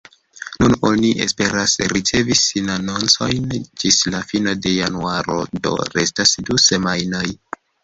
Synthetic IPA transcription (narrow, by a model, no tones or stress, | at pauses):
nuno̞niʔḛspe̞ɾasɾit͡se̞visinano̞nt͡so̞jnd͡ʒislafino̞de̞januaɾo̞̰do̞̰ɾe̞stasduse̞majnoj